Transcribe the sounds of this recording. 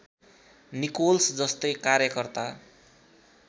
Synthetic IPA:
nikolsd͡zʌst̪ʌjkaɾjʌkʌrt̪a

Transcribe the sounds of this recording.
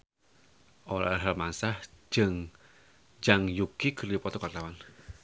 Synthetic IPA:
ʔola̰ɦalmansahd͡ʒ̥ɨŋ | d͡ʒaŋjukiɡərlipɔt̪ɔkat̪awan

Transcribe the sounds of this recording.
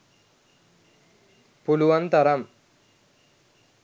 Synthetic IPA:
puluʋɐnt̪ɐɾɐm

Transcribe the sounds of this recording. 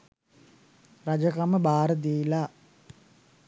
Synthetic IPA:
rad͡ʒəkaməbaːɾəd̪iːla

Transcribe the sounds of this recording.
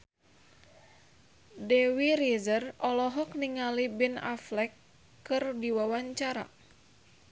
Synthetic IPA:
dɛwiɾizərɔlɔɦɔk̚niŋalibina̰flɛkː | ɨrdiwawaɲt͡ʃaɾa̰

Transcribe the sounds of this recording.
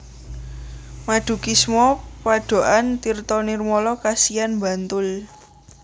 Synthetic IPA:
maɖ̪̥ṳkismɔpaɖ̥o̤ʔant̪irt̪ɔnirmɔlɔkasianmba̤nt̪ʊl

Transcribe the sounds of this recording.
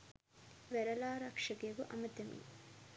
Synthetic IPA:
ʋæɾɐlaːɾɐkʂɐɡeɡuʔɐmɐt̪ɐmḭ

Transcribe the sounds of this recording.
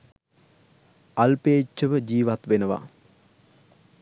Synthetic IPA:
alpeːt͡ʃːəʋəd͡ʒiːʋat̪ʋenəʋa̰

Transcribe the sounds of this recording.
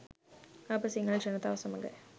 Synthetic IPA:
ɐpːɐsiɪŋɡɐɭɐ̃t͡ʃɛnːɐt̪aːʋɐsɐmɐŋɡɐ̰

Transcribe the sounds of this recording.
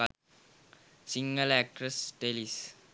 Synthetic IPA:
sĩŋɡəlɛk̚ʈɾəsdelis

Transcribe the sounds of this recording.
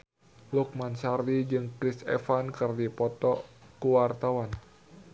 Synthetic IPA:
luk̚mansardid͡ʒɨŋkɾisɛ̰fankɨrdipɔt̪ɔkuwart̪awan

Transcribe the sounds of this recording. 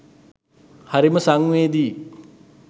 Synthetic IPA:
hɐɾimɐsaŋued̪i

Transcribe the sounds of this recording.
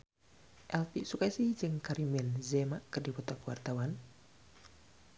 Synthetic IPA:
ʔɛlpisukasid͡ʒɨŋkaɾimɪnzɛmaʔkərdipɔt̪ɔkwart̪awan

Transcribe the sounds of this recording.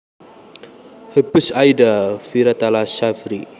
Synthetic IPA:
həpusajdafiɾat̪alasafɾi

